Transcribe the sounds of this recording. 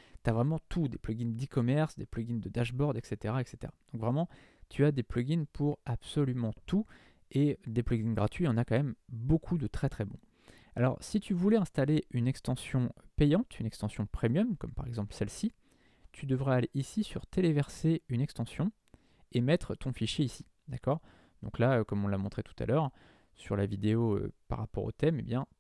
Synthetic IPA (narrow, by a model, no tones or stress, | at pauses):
t̪yavʁɛmɑ̃t̪ʰud̪eplɔɡʲind̪ikɔmɛʁsd̪eplɔɡʲind̪əd̪aʒbɔʁd̪ɛkset̪eʁaɛkse̥t̪ḛʁad̪̥ɔ̃kvʁɛmɑ̃ | t̪ʰyad̪eplɔɡʲinpʰuʁab̥sɔlymɑ̃t̪ʰu | ed̪eplɔɡʲinɡʁat̪ɥijɑ̃nakɑ̃mɛmbokʰud̪ət̪χɛt̪χɛbɔ̃ | a̰lɔ̰ʁsit̪ʰyvulɛɛ̃st̪aleynɛkst̪ɑ̃sjɔ̃pɛjɑ̃t̪ynɛkst̪ɑ̃sjɔ̃pχemjɔmkɔmpaʁɛɡzɑ̃plsɛlsi | t̪ʰyd̪əvʁaːleʔisisyʁt̪elevɛʁseynɛkst̪ɑ̃sjɔ̃ | emɛt̪χət̪ɔ̃fiʃjeisi̥ | d̪akɔːʁ | d̪ɔ̃klaøkɔmɔ̃lamɔ̃t̪χet̪u̥t̪a̰lœʁ | syʁlavid̪eoø̰pa̰ʁːa̰pɔ̰ʁo̰t̪ɛmḛbjɛ̃